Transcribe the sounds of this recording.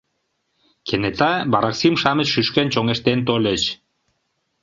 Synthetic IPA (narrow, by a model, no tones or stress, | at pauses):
kʰenet̪ɑbɑɾɑksimʃɑmət͡ɕʃyʃkent͡ɕoŋeʃt̪ent̪olʲet͡ɕ